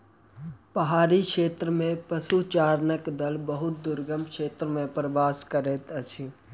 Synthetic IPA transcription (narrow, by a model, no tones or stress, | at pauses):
pəɦaːɾikʃeːt̪ɾəmẽpəsut͡ʃaːɾnəkd̪əlbəɦʊt̪̚d̪ʊɾɡəmkʃeːt̪ɾəmẽpɾəʋaːskəɾeːt̪ət͡ʃʰi